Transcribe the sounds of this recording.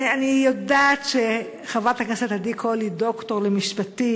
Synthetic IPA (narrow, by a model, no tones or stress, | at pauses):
anijodatʃe | χavat̪hakneset̪adikʰolidokto̞ʁlemiʃpati